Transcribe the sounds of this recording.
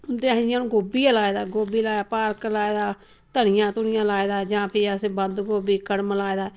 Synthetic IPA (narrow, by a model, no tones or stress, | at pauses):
ʊnd̪eːɦjãːnũːɡoːbiːalaːeːd̪aːɡoːbiːlaːapaːɾklaːeːd̪aː | t̪əɳɪjãːt̪ʊnɪjãːlaːeːd̪aːd͡ʒãːpʰɪəseːbənd̪ɡoːbiːkəɽmlaːed̪aː